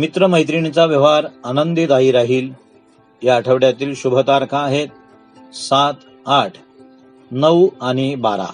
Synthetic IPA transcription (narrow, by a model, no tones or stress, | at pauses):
mit̪ɾəməjt̪̬ɾiɳ̃t͡saʋjəʋaɾanənd̪id̪aiːɾaɦiːl | jaːʈʰəʋɽjat̪iːlɕubʱət̪aɾkʰaːɦet̪̚ | sat̪ | aʈʰ | nəwaɽ̃ibaɾa̰